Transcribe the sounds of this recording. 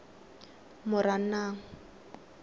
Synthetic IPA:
mʊɾan̩naːŋ̩

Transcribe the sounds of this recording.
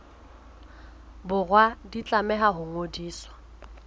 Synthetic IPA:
bʊrwadit͡ɬʼamɛɦaɦʊŋodiːswḁ

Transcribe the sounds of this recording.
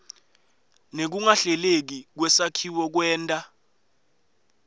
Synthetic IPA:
nek̬uŋaɬɛlek̬ik̬wɛsakʰiwɔk̬wɛːntʼa

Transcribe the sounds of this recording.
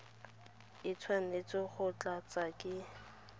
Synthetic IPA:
ɪt͡sʰwanet͡sʼɪχʊt͡ɬʼat͡sʼakʼɪ

